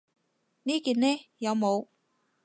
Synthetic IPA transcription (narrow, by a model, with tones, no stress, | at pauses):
niː˥kiː˨nnɛː˥jɐ˨˧wmo˨˧w